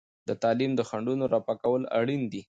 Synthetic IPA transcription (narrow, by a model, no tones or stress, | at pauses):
d̪̥ət̪ɑlimd̪əxaɳɖunoɾɑpakawəla̰ɽind̪i